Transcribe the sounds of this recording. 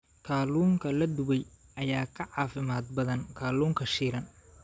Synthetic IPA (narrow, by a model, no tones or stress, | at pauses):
kʰaːluːŋkʰɐlɐd̪ʊɣɛjʔɐjaːkʰɐʕɑːfɪmaːd̪̚bɐðɐnkʰaːluːŋkʰɐʃiːɾɐn